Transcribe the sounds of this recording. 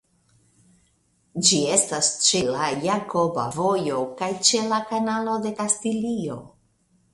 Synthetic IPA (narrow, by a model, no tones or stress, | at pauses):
d͡ʒie̞stast͡ʃe̞lajako̞ba̰vo̞jo̞kajt͡ʃe̞lakanalo̞de̞kastilio̞̰